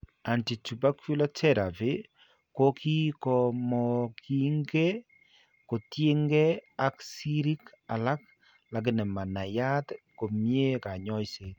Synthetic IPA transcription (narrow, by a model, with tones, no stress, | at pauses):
a˨nti˨tu˨ba˦ku˦la˦t͡ʃɛ˦ɾa˨ve˦ | ko˦ki˦kɔ˨mɔki˦ŋɡe˦ | ko˨tje˦ŋɡɛ˦a˦ksi˦ɾi˦k | a˨la˦k̚ | la˨ɡ̬ɪ˦nɛ˨ma˨na˨ja˦tko˨mje˦ka˨ɲɔ˦jse˦